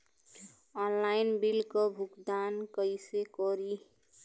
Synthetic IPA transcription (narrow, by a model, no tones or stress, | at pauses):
ɔnlajnbilkɔbʱukd̪ankəjsekɔɾi